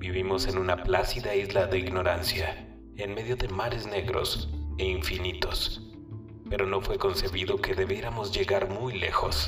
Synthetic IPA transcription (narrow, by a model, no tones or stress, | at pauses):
biβimo̞se̞nunaplasiðaizlaðe̞iɣno̞ɾansja | enme̞ðjo̞ðe̞maɾe̞zne̞ɣɾo̞̰seiɱfinit̪o̞s | pe̞ɾo̞no̞fwe̞ko̞nse̞βiðo̞ke̞ðe̞βeɾamo̞zʝe̞ɣaɾmujle̞̰xo̞s